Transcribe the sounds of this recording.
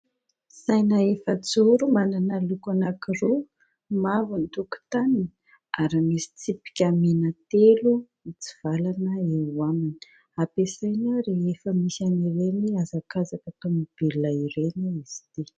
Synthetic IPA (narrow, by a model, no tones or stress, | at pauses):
sajnaefət͡suɾumananalukanakiɾu | mavunit̪uku̥t̪anini | aɾimisi̥t͡sipi̥kʲamenat̪elu | it͡si̥v̥alanəewamini̥ | apesajnaɾeefəmisaniɾeniazakazakət̪omib̥elulaiɾeniiz̥i̥t̪i